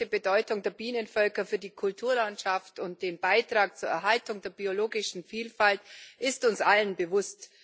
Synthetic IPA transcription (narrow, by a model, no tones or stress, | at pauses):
əbədɔʏtʊŋdeːɐbiːnənfœlkɐfyːɐdiːkʰʊltʰuːɐlantʃaftʊnt̚d̥eːnbaɪtʁ̥aːk̚t͡suːɐɛɐɦaltʊŋdeːɐbioloːɡɪʃn̩fiːlfaltʔɪstʊnsʔalənbəvʊst